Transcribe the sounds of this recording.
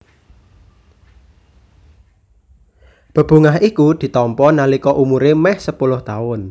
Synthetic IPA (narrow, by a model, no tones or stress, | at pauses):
b̥ə̤b̥ṳŋaɦikud̪̥i̤t̪ɔmpɔnalikɔʔumuɾemɛhsəpulʊht̪aʊn